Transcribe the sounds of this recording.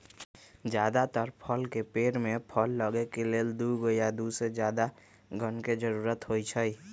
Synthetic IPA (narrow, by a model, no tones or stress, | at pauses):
d͡ʒjaːd̪at̪əɾpʰəlkepeːɾmẽpʰəlːəɡekeleːld̪uɡəjad̪used͡ʒjaːd̪a | ɡʱənked͡ʒəɾuːɾət̪ɦoit͡ʃʰəi